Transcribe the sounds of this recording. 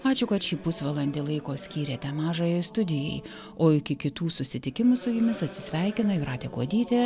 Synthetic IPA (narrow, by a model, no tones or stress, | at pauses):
ɑːt͡ʃʲʊkɐt̪ʃʲiːpʊsʋɐlˠɐnʲd̪ʲelˠɐɪkoːsʲkʲiːɾʲeːt̪ʲɛmɑːʒɑjoɪst̪ʊd̪ʲɪjɛ̰ɪ | oːɪkʲɪkʲɪt̪uːsʊsʲɪt̪ʲɪkʲɪmʊsʊjʊmʲɪsɐt̪ʲsʲɪsʲʋʲɛɪkʲɪnɐɪɾɑːt̪ʲeːkuɔd̪ʲiːt̪ʲe